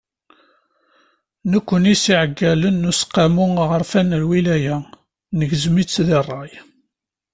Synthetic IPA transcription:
nəkʷːənisiʕəɡːælənːusqːamʊʁəɾfænlwilæjæ | nəʝzmit͡sːðɪrˤːɑj

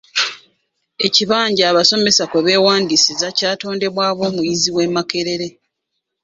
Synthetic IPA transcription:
e̞ciβaːɲɟaːβaso̞me̞sakweβe̞ːwaːndisizacaːto̞ːnde̞βwaːβwo̞ːmujiziwe̞make̞ɾe̞ɾe̞

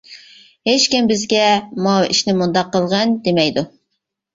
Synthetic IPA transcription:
het͡ʃkʲimbɪzɡʲɛmɑḭʃnɪmund̪ɑqːəlˠʁɑnd̪emɛjd̪u

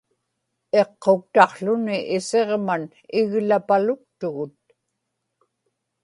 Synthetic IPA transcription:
e̞qʰːo̞kt̪ɑqɬʊnɪʔɪse̞ʁman | ɪɣlapalʊk̚t̪ʊɣʊt̪̚

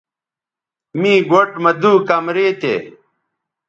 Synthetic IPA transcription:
mĩːɡoʈmɐd̪uːkɐmɾeːt̪ḛː

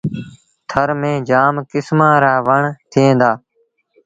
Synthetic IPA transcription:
t̪ʰəɾmẽːd͡ʒaːmkɪsmãːɾaːʋəɳt̪ʰɪẽːnd̪aː

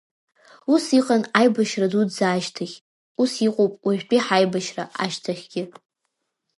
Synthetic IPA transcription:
usiqʼanajbaʃradudzaːʃtʰaχʲ | usiqʼowpʼwaʒᶣpʼiħajbaʃra̰ʔa̰ʃtʰaχʲɡ̥ʲɪ

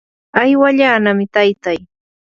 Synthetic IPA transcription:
ajwaʎaːnamɪt̪ajt̪aj

